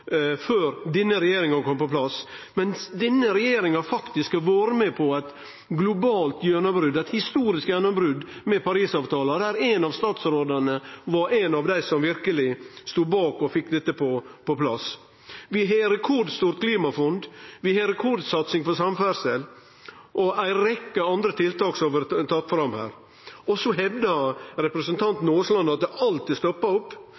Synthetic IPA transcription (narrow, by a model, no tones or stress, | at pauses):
føːɾd̪ɪnːəɾɛjeːɾɪŋɑkʰɔmpɔpʰlɑsmɛnsd̪ɛnːəɾɛjeːɾɪŋɑɾfɑkt̪ɪskɑʋɑːɾəmɛpʰɔæɪt̪ | ɡlʊbɑːlt̪jœnɑbɾʉd̪æt̪hɪst̪uːɾɪskjœnəbɾʉd̪mɛpʰɑɾiːsɑːʋt̪ʰɑːlɑd̪ɛæːɾænɑʋst̪ɑːt̪sɾoːd̪əɳəʋɑɾenɑʋd̪æɪsɔmʋɪɾkəlɪst̪uːbɑːkɔfɪkːd̪ɛt̪ːəpʰɔpʰɔpʰlɑs | ʋɪɦeɾɛkʰɔɖ̪st̪uːɾt̪̚kʰliːmɑfɔnd̪ʋɪheɾɛkʰɔɖ̪sɑt̪sɪŋfɔsɑmfæɾsɛl | ʔɔæɪɾɛkːəɑnd̪ɾət̪ʰɪlt̪ɑːksɔʋəɾt̪ʰɑt̪ːfɾɑmhæ̰ːɾ | ɔsɔɦɛʋd̪ɑɾɛpɾəsənt̪ʰɑnt̪noːslɑnd̪ɑt̪̚d̪ɛʔɑlt̪ɪst̪ɔpːɑɔpː